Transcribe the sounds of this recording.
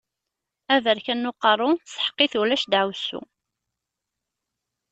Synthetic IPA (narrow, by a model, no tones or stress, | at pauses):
ævəɾkænːʊqːɑrˤʊsə̥ħə̥qːɪθuwlæʃd̪ʕəwsːṵ